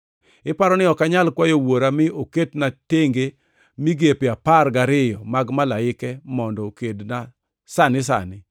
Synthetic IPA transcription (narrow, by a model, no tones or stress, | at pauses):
ɪpaɾɔnɪɔkaɲalkwajowoɾamɪoketnateŋɡe | miɡepɪaparɡaɾɪjɔmaɡmalaɪkɛmɔndɔkedna | sanɪs̬a̰nɪ